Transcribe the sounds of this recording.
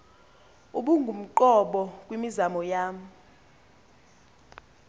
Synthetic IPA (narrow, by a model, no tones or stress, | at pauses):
uɓuŋɡʱum̩ǃɔɓɔk̬ʼwimizamɔjaːm̩